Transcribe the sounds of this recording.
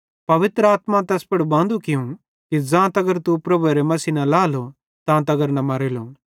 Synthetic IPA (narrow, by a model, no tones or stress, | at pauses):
pɐʋɪt̪ɾəaːt̪mãt̪ɛːspɐɽbãːnd̪ukɪjũ | kid͡zãːt̪ɐɡəɾt̪upɾɐbuɾemɐsinɐlaːlo | t̪ãːt̪ɐɡəɾnɐmɐɾelo